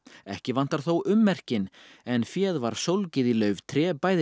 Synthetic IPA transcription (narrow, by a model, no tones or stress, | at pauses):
ɛhcɪvan̥t̪aɾ̥θowʔʏmːɛr̥cɪnɛnfjɛːðvaɾ̥sowlcɪðilœɥv̥t̪ʰɾɛːpaːjð